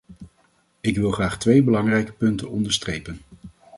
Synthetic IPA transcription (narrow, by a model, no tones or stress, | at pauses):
ɪkʋɪlˠχraːχtʋejbəlɑŋrɛjkə̥pɵntənɔndəɹstrejpən